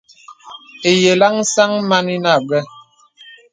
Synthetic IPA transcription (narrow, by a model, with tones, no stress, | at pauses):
e˨je˨la˦ŋ˦sa˦ŋma˦ni˦na˦˨bɛ˦